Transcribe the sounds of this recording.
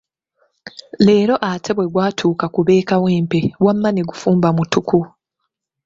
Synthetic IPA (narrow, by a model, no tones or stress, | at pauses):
le̞ːɾo̞ʔatʰe̞βwe̞ɡwaːtʰuːkakuβe̞ːkaweːmpewamːaneɡufuːmbamutuku